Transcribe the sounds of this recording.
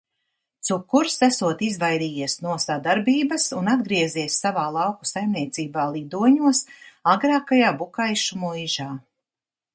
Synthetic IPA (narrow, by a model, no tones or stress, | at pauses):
t̪sukːuɾsæsuɔt̪izvajɾiːjiɛsnuɔsad̪aɾbiːbɐsunad̪ɡɾiɛziɛsːavaːlˠɑwku̥sajmniɛt̪siːbaːlˠid̪uɔɲuɔsaɡɾaːkajaːbukajʃumuiʒaː